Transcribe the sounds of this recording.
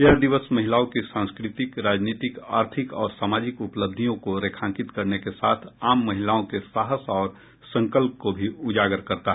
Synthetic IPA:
jɐɦd̪ɪʋəsmɐɦɪlaːõkisãːnskɾɪt̪ɪkɾaːd͡ʒniːt̪ɪka̰ːɾt̪ʰɪkɔ̰ːɾsaːmaːd͡ʒɪkʊpləb̚d̪ʱijõkoɾeːkʰãːŋkɪt̪kɐɾnekesaːt̪ʰaːmːɐɦɪlaːõkesaːɦəsɔːɾ | sɐ̃ŋkəlp̚kobʱiʊd͡ʒaːɡəɾkɐɾt̪aɦ

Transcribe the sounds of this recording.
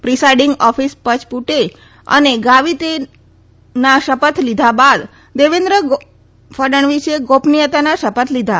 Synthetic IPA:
pɾisajɖiŋɡɔfispət͡ʃpuʈe | ə̰neɡaʋit̪e | naʃəpət̪ʰlid̪ʱabad̪ | d̪eʋend̪ɾəɡ | fəɖəɳ̃ʋiʃeɡopnijət̪anaʃəpət̪ʰlid̪ʱa

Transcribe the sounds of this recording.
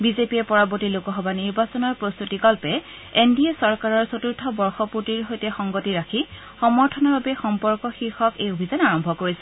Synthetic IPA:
bizepiɛpɔɹaboɹtilokɔɦɔbaniɹbasɔnɔɹpɹost̪utiɡɔlpɛ | endiɛsɔɹkaɹɔɹsotuɹtʰɔbɔɹxɔpuɹtiɹɦojtɛxɔŋɡotiɹakʰi | xɔmɔɹtʰɔnɔɹbapɛxɔmpɔɹkɔxiɹxɔkejobʱizanaɹɔmbʱɔkoɹisɛ̥

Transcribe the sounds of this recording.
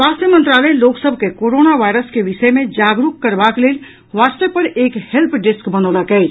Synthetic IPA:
aːsəmə̃nt̪ɾaːləjloːksəbʱkekoːɾoːnaʋaːɪɾəskeʋɪʃəjmẽd͡ʒaːɡɾukkːɐɾbakleːl | ʋaːst̪əpɐɾeːkhɛlpʰɖɪskbɐnoːlakɛi

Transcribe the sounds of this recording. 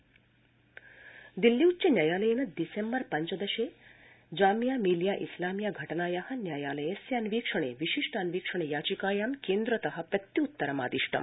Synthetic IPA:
d̪ilːiut͡ɕenjaːjaːlɐjenɐd̪isembɐɾpɐɲt͡ʃɐd̪ɐʃe | d͡ʒaːmjaːmiːljaːʔislaːmjaɡʱɐʈɐnaːjaɦɐnjaːjaːlɐjesjɐnʋiːkʂɐɳeʋiʃiʂʈɐɐnʋiːkʂɐɳ̃ejaːt͡ʃikaːjaːmkeːnd̪ɾɐt̪ɐɦɐpɾɐt̪ːiut̪ːɐɾɐma̰ːd̪iʂʈʰɐ̰m

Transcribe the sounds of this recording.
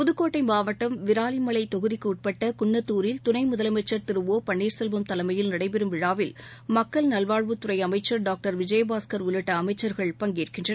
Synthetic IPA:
pʊðɯkːoːʈːɐɪmaːʋɐʈːɐmʋɪɾaːlɪmɐɭɐɪt̪ːɔɣɯðɪkːɯʊʈ̚pɐʈːɐkʊɳːɐt̪ːuːɾɪlt̪ʊnɐɪmʊðɐlɐmɐɪt͡ʃːɐɾt̪ɪɾɯʋoːpɐɳːiːɾsɛlʋɐmt̪ɐlɐmɐjɪlnɐɽɐɪpɛɾɯmʋɪɻaːʋɪlmɐkːɐɭnɐlʋaːɻʋɯt̪ːʊɾɐɪɐmɐɪt͡ʃːɐɾɖaːk̚ʈɐɾʋɪd͡ʒɐjbaːskɐɾʊɭɪʈːɐːmɐɪt͡ʃːɐɾɣɐɭpɐŋɡiːrkɪndrɐ

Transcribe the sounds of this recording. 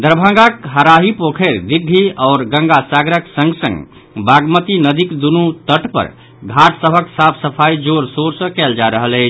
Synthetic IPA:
d̪əɾbʱə̃ŋɡakɦəɾaɦipokʰeɾd̪iɡʱiɔːɾɡə̃ŋɡasaɡɾəksə̃ŋɡsə̃ŋɡ | baɡmət̪inəd̪ʱikd̪unut̪əʈpə̰ɾ | ɡʱaʈsəbʱəksapʰsəpʰaid͡ʒoɾsoɾsə̃kɛld͡ʒaɾəɦəlɛɪt͡ʃʰ

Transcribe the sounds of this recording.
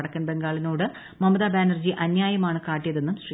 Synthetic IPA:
ɽɐkːɐnbe̞ŋɡaːɭinoːɽɨ | mɐmɐðaːbaːnɐrd͡ʑiʔɐnjaːjɐmaːɳɨkaːʈːijɐðe̞nːumsri

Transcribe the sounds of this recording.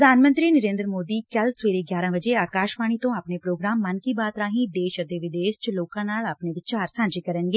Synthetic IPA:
əd̪ʱaːnmə̃nt̪ɾiːnəɾẽːnd̪ɾəmoːd̪iːkəlseːɾeːɡjaːɾãːbəd͡ʒeːaːkaːʃʋaːɽ̃iːt̪õːapneːpɾoːɡɾaːmːənkiːbaːt̪ɾaːɦĩːd̪eːʃət̪eːʋɪd̪eːʃt͡ʃloːkãːnaːlaːpneːʋɪt͡ʃaːɾsãːɲd͡ʒeːkəɾənɡeː

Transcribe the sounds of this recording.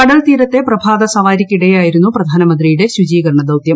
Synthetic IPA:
ɐɽɐlt̪iːɾɐt̪ːe̞pɾɐbʱaːd̪ɐsɐʋaːɾikːiɽɐjaːjiɾunːupɾɐd̪ʱaːnɐmɐnd̪ɾijuɽeʃud͡ʒiːɡɐɾɳɐd̪ɐwt̪jɐm

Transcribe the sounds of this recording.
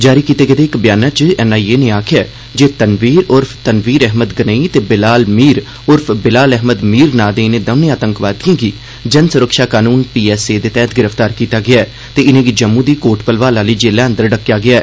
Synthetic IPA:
d͡ʒaːɾiːkiːt̪eːɡed̪eːɪkbɪjaːnaːt͡ʃɛːnaːieːnẽːaːkʰɪjaː | d͡ʒeːt̪ənʋiːɾʊɾpʰt̪ənʋiːɾɛɦməd̪ɡənəit̪eːbɪlaːlmiːɾ | ʊɾpʰbɪlaːlɛɦməd̪miːɾnaːd̪eːneːd̪əːneaːt̪əŋkʋaːd̪ijãːɡiː | d͡ʒənsʊɾəkʃaːkaːnuːnpiːɛːseːd̪eːt̪ɛːt̪ɡɪɾəft̪aːɾkiːt̪aːɡɪaːɛː | t̪eːɪnẽːɡiːd͡ʒəmːũd̪iːkoːʈpəlʋaːlaːliːd͡ʒeːlaːənd̪əɾɖəkːjaːɡɪaː

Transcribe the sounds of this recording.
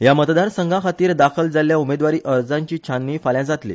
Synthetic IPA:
jamət̪d̪aɾsəŋɡʱakʰat̪iːɾd̪akʰəld͡zaljaumed̪ʋaɾiːʔəɾd͡zaɲt͡ɕiːt͡ɕʰanːiːfaljad͡zat̪lḭ

